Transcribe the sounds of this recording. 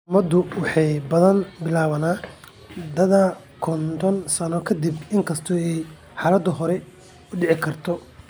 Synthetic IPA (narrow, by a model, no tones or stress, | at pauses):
mɐd̪ʊwɑħɑjbɐðɐnbɪlaːβɐnaː | d̪ɐðɐ | kʰɔnt̪ʰɔnsɐnɔkʰɐd̪ibɪŋkʰɐst̪ʰɔɛj | ħɑːlɐd̪ɐɦɔɾɛ | ʊɖɪʕɪkʰɐrt̪ʰɔ